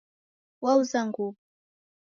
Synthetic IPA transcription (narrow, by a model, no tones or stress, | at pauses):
wawzaŋɡu